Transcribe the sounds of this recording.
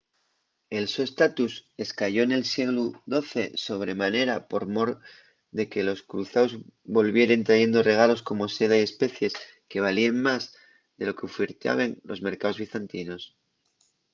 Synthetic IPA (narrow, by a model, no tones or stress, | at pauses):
e̞lsoest̪at̪use̞skaʝo̞ene̞lsiɣluðo̞θe̞so̞β̞ɾe̞mane̞ɾapo̞ɾmo̞ɾ | ðe̞ke̞lo̞skɾuθaozβo̞lβje̞ɾe̞nt̪ɾaʝe̞nd̪o̞re̞ɣ̞alo̞sko̞mo̞se̞ð̞aie̞spe̞θje̞s | ke̞β̞alieŋmaz | ðe̞lo̞keofiɾt̪a̰βenlo̞zme̞ɾkao̞zβ̞iθant̪ino̞s